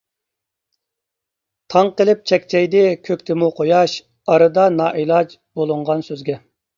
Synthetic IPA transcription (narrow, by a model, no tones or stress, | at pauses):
t̪ʰɑŋqəlˠɪp̚t͡ʃʰɛkʲt͡ʃʰɛjd̪ɪkʲʰøkʲt̪ʰɪmuqʰojɑʃ | ɑɾɨd̪ɑnɑːʔelˠɑd͡ʒ | bolˠɨɴʁɑnsøzɡʲɛ